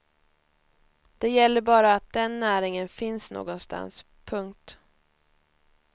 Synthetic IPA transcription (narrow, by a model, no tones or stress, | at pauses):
d̪̥ɛjɛlːəɾbɑːɾaːt̪̚d̪̥ɛnːæːɾɪŋənfɪnsno̰ːɡɔnst̪a̰ns | pʰɵŋkt̪